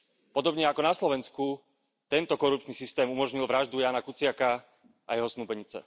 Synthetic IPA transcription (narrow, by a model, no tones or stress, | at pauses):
pɔd̪ɔbɲɛakɔnaslɔʋɛnsku | t̪ɛnt̪ɔkɔɾup̚t͡ʃnisist̪ɛːmumɔʒɲilʋɾaʒd̪ujaːnakut͡sɪaka | ʔa̰jɛɦɔsnuːpɛɲit͡sɛ̰